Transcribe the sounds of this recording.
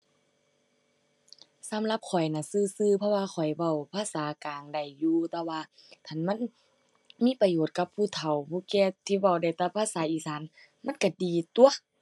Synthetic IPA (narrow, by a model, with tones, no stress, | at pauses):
sa˨˦mla˧p̚kʰɔ˨˩jna˧˩sɯː˧˨sɯː˧˨pʰɔ˧waː˧xʰɔ˨˩jwa˧˩˨wpʰaː˧˨saː˨˦kaː˨ŋda˨˩jːuː˧t̪ɛː˧waː˧ | t̪ʰa˧˩˨nma˧˥˨n | miː˧˥˨pa˧joː˨˩t̪̚ka˧pʰːuː˧˩˨t̪ʰa˨˩wbuː˧˦kɛː˧t̪ʰiː˧˨wa˧˩wda˧˩jt̪ɛː˧˩pʰaː˧˨saː˨˦ʔiː˧˨saː˨˦n | ma˧˥˨nka˧˩diː˨t̪u˧˨ɐ